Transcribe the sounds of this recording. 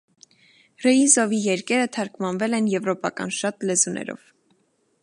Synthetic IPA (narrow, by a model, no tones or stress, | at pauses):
rɛizɔvijɛɾkɛɾət̪ʰɑɾkmɑnvɛlɛnjɛvɾɔpɑkɑ̰nʃɑt̪lɛzunʔɛ̰ɾɔ̰v̥